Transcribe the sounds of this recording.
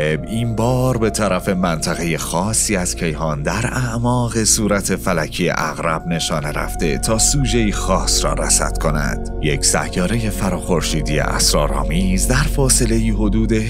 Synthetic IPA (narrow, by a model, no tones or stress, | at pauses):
ebimbɒːɾbe̞t̪ʰæɾæfe̞mænt̪ʰæɣe̞je̞xɒːsːiːæz̥cʰe̞jhɒːnd̪æɾæʔmɒːɣe̞suːɾæt̪ʰe̞fælæcʰiḛʔæɣɾæb̚ne̞ʃɒːne̞ɾæ̰ft̪e̞t̪ʰɒːsuːd͡ʒe̞iːxɒːsɾɒ̰ːɾæ̰sæ̰t̪kʰo̞næ̰d̪̥je̞cʰsæ̰jɒːɾe̞je̞fæɾɒːxo̞ɾʃiːd̪ije̞̰ʔæ̰sɾɒːɾɒ̰ːmiːzd̪æɾfɒːse̞le̞iːɦo̞d̪uːd̪e̞